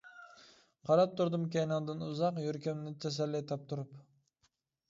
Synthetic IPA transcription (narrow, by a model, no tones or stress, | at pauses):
qʰɑɾɑp̚t̪ʰʊɾd̪ɨmkʲæjnɑwd̪ɨnʊzɑqjøɾkʲamnɪt̪ʰæs̬ælːɪt̪ʰɑp̚t̪ʰʊɾʊp